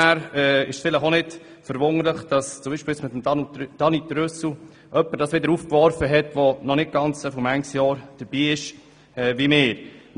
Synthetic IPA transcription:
æːɾɛɪ̰ʃfɪləχonɪd | fəɾʋʊŋəɾləχd̥ɑst͡sʊmbiːʃpɪːjsmɪt̪əmd̥ɑnitɾʏsl̩ | ʔœpːəɾd̥ɑːsʋɪd̪əɾuːfkʋɔɾfəɦɛtʋonɔnɪt̚ɡ̥ɑnt͡sɛfɔmæŋsjɑːɾd̥əɾb̥iːɪʃ | ɛʋimɪːɾ

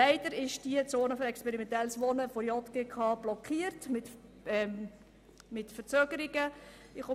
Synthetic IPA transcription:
æɪd̥əɾɪʃd̥iət͡soːnəfɔɾɛkspɛɾimɛntɛlsʋɔnəfɔɾjɔtɡ̥ekʰɑːb̥lɔkχiːəɾtmɪt | ɛm | mɪtfəɾt͡søːɡ̥əɾiɡə | ɪχʊ

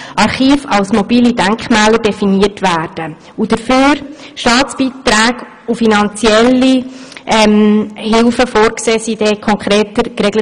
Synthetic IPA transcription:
ʔɑɾχiːfɑlsmɔbiːlidæŋkχmɛːləɾdɛfiniərtʋæːɾd̥ə | ud̥əɾføːɾ | ʃtɑːtt͡sb̥iːtɾæːɡ | ufinɑnt͡siɛlːiɛmhɪlfəfoːɾkseːsiːd̥ɛːkʰɔŋkχɾeːtəɾkrɛɡlə

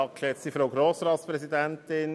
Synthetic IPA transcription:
ɑkʃɛsifɾoʊɡɾoːsɾɑːtspɾɛsidɛnt̪ɪn

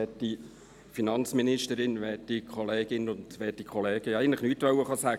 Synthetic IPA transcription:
ɛtdi | finɑnt͡sminɪʃtəɾɪnʋɛtːikʰχɔleːɡɪnəʊnd̥ʋɛːtikχɔleːɡ̥əæɪɡən̩tlə̥χnyːtʋœwəχɑsæː

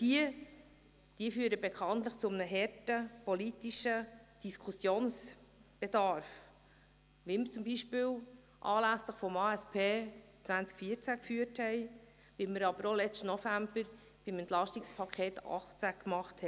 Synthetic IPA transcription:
d̥iə | d̥iəfyːəɾəbekʰɑnt̪ləχt͡sʊmənəɦɛrtəpɔlitiʃəd̥iskʰusjoːnsb̥ed̥̪ɑɾf | ʋɪlməɾt͡sʊmbiʃpɪːl | ʔɑːlæsləχfɔmɑːɛspʰeː | t͡sʋvænt͡skfiːət͡sækfyəthɛɪ | ʋɪlməɾɑbəɾolɛt͡sstənɔfæmb̥əɾ | b̥ɪmɛnt̪lɑʃtikspʰɑkʰeːt̪ɑ̰χt͡sækmɑχthɛ

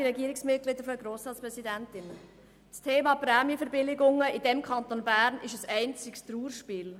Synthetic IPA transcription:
iɾɛɡiəɾɪksmɪt̚ɡlɪd̪əɾfɔdəɡɾoːsɾɑːtt͡spɾɛsidæntɪn | stʰeːmɑːpɾɛːmjəfəɾbɪlɪɡʊŋːəidɛmkʰɑnt̪onbæːɾnɪʃəsɛɪnt͡sɪkst̪ɾuːɾʃpiːl

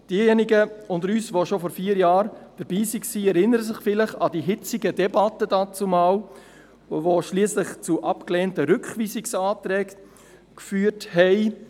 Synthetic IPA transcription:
d̥iːjɛniɡəʊnd̪əɾyːsʋoʃofɔɾfiːəɾjɑːɾd̥əɾbiːsiksiːɛɾɪnəɾəsɪχfɪləχɑdiːɦɪt͡siɡədɛbɑtədɑt͡sumɑːl | voʃliːslɪχt͡suʔɑpkleːntəɾʏkχʋiːsɪksɑːtɾɛːk | kfyːəthɛɪ

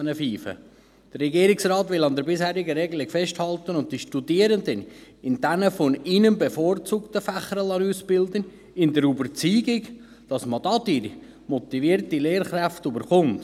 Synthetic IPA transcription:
nəfiːfə̰ | d̥ərːɛɡiəɾɪksrɑːt̪ʋɪlɑnd̪əɾbɪshæːɾɪɡəɾɛɡlɪkfɛʃthɑlt̪ənʊnt̚d̥iʃtudiəɾənd̪ən | ɪndænəfɔninəmbefoːɾt͡suːktəfæχəɾəlɑnuːsbɪld̪ən | ɪnd̪əɾubəɾt͡syːɡɪk | d̥ɑsmɑd̥̪ɑdiɾ | mɔt̪iviəɾtileːɾχɾæftybəɾχʊnt

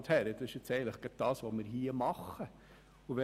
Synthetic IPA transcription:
t̪hæɾəd̥̪ɑsɪʃɪt͡sɛɪələχɡ̥ɛt̪̚d̥ɑːsʋomɪɾɦiːəmɑχːə | uʋɛ

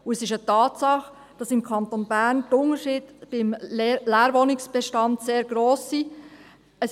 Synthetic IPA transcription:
ʊɛsɪʃətɑːtsɑχ | d̥ɑsɪmkʰɑnt̪onbæːɾntʊnəʃiːdb̥ɪmlæːɾʋonɪksb̥ɛʃtɑntseːɾɡ̥ɾoːsi | ɛs

